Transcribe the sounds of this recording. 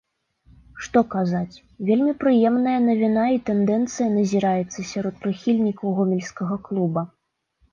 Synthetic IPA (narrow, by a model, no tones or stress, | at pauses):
ʂt̪ɔkazat͡sʲ | vʲelʲmʲipɾɨjɛmnɐjɐnɐvʲinait̪ɛnd̪ɛnt̪sɨjɐnɐzʲiɾajɛt̪sːɐsʲaɾɔt̪̚pɾɨxʲilʲnʲikɐwɣɔmʲɛlʲskɐɣɐklˠubɐ